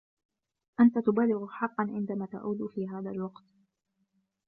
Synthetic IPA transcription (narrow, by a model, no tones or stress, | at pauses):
ʔant̪at̪ʊbaːlɪɣħɑqːɑnʕɪnd̪amaːt̪a̰ʔuːd̪fiːɦaːðalwɑqt̪